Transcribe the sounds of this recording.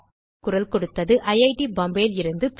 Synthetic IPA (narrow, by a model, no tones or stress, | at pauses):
kːʊrɐlkɔɽɯt̪ːɐðɯʔɐjɐɪʈibɐmbeːlɪɾɯnd̪ɯp